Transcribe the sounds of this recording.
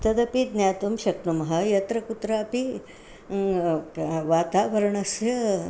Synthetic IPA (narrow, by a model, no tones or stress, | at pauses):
t̪ɐd̪ɐpid̪njaːt̪umʃɐk̚numɐɦɐ̆jɐt̪ɾɐkut̪ɾɐːpi | ʋaːt̪aːʋɐɾɐɳɐsjɐ